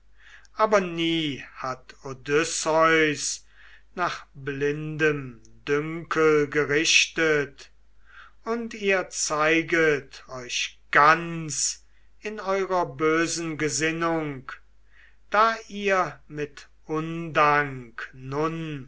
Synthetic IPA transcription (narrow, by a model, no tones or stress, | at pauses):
ʔaːbɐniːhatodʏsɔʏs | naːχblɪndəm | dʏŋkʰəlɡəʁɪʃtət | ʊntiːɐt͡saɪɡətʰɔʏʃɡ̥ant͡s | ɪnɔʏʁɐbøːzn̩ɡəzɪnʊŋk | d̥aːʔiːɐmɪt | ʔʊndaŋknʊn